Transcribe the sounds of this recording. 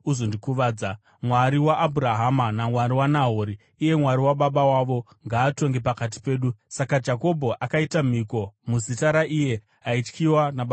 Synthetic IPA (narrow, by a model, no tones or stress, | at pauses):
uzondikuʋaːd͡za | mwaɾiwaʔːbʱuɾaɦamanamwaɾiwanaɦoːɾiː | je̞mwaɾiwaɓaɓawaʋo̞ | ŋɡaːto̞ŋɡe̞pakat̬i̥pe̞ːɗusakad͡ʒako̞bʱo̞ʔakaitam̤iko̞muzitaɾaʔije̞ | ɦait͡ʃkiwanaɓa